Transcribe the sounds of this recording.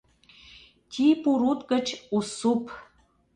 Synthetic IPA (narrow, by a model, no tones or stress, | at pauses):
t̪ʲʰipuɾut̪kə̆t͡ɕusup